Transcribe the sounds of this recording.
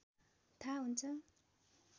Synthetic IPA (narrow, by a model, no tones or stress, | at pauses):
t̪ʰaɦunt͡sʰʌ